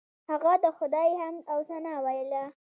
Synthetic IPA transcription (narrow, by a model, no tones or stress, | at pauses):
haɣad̪əxʊd̪ɑjhamawsanɑwajəla